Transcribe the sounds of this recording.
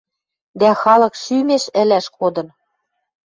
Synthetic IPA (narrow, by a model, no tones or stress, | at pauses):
d̪æxɑlɤ̆kʃymeʃɘ̆læʃkod̪ɤ̆n